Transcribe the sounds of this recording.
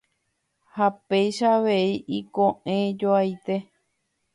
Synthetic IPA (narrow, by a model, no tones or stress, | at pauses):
hapejʃaʋe̞iʔikõʔẽd͡ʒoajt̪e̞